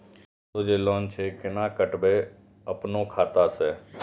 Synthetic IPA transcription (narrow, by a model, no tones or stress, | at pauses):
t̪oːd͡ʒeːlɔːnt͡ʃʰekɪnaːkəʈbe | əpnõkʰaːt̪aːsɛː